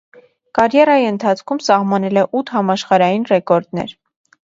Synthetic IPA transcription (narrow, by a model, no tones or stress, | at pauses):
kɑɾjɛrɑjiənt̪ʰɑt͡sʰkʰumsɑhmɑnɛlɛʔut̪ʰhɑmɑʃχɑɾɑjinrɛkɔɾd̪nɛ̰ɾ